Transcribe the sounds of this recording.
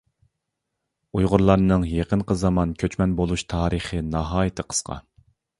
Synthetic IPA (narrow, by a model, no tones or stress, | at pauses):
ujʁʊɾlˠɑɾnɨŋjeqənqəzɑmɑnkʲʰøt͡ʃmɛnbolˠuʃt̪ʰɑːɾəχənɑɦɑːjit̪ʰəqʰə̥sqʰɑ̰